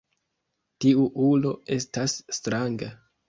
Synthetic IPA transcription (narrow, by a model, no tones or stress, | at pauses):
tiuʔulo̞e̞stasːtɾaŋɡa